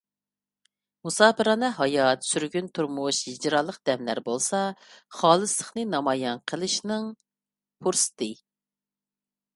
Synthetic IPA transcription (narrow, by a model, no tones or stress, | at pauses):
musɑːpɨɾɑnɨɦɑjɑt̪syɾɡʲynt̪ʰuɾmuʃɦid͡ʒɾɑlˠːəq̚d̪̥ɛmlæ̰ɾbolˠsɑχɑːlˠɨslˠəχnɨnɑmɑjɑnqʰəlˠɨʃnɨŋ | pʰuɾsɨ̥t̪ʰɨ